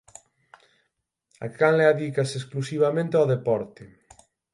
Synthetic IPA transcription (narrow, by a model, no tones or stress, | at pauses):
a̰kanleaðikasesklusiβamẽnt̪eawðepɔɾt̪e